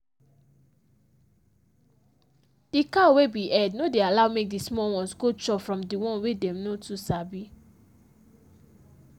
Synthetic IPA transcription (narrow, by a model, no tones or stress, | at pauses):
d̥ikawebiʔɛdnodealaʊmek̚dismɔwɔ̃nsɡot͡ʃɔpfɹɔ̃mdiwɔ̃nwedɛ̃mnotusabi